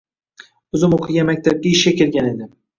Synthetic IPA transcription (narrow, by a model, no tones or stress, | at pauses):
ɵzɪmoqʰɨɡʲamak̚ʲt̪ʰaɾɪp̚kʲaɪʃkʲakʲʰeɾɡʲane̞d̪ɪ